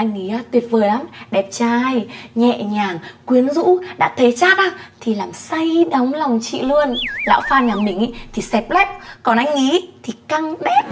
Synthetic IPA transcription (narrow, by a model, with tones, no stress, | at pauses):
ʔa˧jŋ̟ːi˨˦aː˧t̪wi˨˩əp̚vəː˨˩jla˨˦mɗɛ˨˩p̚t͡ɕaː˧jɲɛ̰˧˨ɲaː˨˩ŋkwi˨˦ənzṵ˧˥ɗa̰ː˧˥t̪ʰə˨˦jt͡ɕaː˦˥t̚ʔaː˧˩t̪ʰi˨˩laː˨˩msa˧jɗa˨˦wŋ͡mla˨˩wŋ͡mt͡ɕḭ˧˨lɨ˧ənla̰ː˧˥wfaː˧nŋaː˨˩ŋɓï˨˩ŋ̟ʔa˧˦t̪ʰi˨˩sɛ˨˩p̚lɛ˦˥p̚kɔ˨˩nʔa˧jŋŋi˨˦t̪ʰi˨˩ka˧ŋɗɛ˦˥p̚